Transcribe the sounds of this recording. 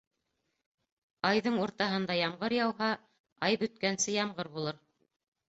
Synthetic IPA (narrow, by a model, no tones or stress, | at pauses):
ɑjðɤɴuɾt̪ɑɦɤ̆nd̪ɑjɑmʁɤɾjɑwɦɑ | ɑjbɵ̆t̪̚kænsɘjɑmʁɤɾbulˠɤɾ